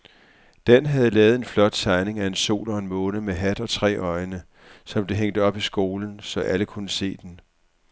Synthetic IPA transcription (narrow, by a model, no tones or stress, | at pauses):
d̥enɦæð̞ˠlɛːʊð̞̩ˠe̝nflɒ̽d̥̚t͡sʰɑ̈ɪne̝ŋæe̝nso̝̰ːlɒ̽enmɔ̽ːnəmeɦæd̥ɒ̽t͡sʰʁɛ̰ːɒ̽ɪnə | sɒ̽mb̥e̝ɦeŋ̰d̥əɒ̽b̥isɡ̥o̝ːln̩sɒ̽ʔæləkʰunəse̝̰ːd̥en